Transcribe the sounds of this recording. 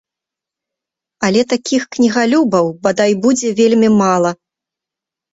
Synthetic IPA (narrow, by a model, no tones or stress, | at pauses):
ɐlʲɛt̪akʲixknʲiɣalʲubɐwbad̪ajbud͡zʲɛvʲelʲmʲimalˠɐ